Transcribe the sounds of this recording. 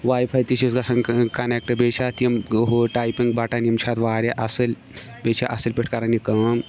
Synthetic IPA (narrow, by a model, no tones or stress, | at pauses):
ʋaːjpʰajt̪isisɡɐsɐŋkɐnek̚ʈəbet͡ʃʰat̪imɦoʈajpiŋɡbaʈanimt͡ʃʰat̪ʋaːɾaʔɐsəlʲ | bet͡ʃʰaʔɐsəlʲpʲeʈʰkaɾanikɐm